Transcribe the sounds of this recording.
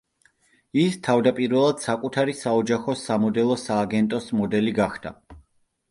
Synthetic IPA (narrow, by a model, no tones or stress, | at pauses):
ist̪ʰavd̪apʼiɾvɛlˠad̪̥sakʼut̪ʰaɾisaɔd͡ʒaχɔsamɔd̪ɛlˠɔsaːɡɛnt̪ʼɔsmɔd̪ɛliɡaχd̪̥a̰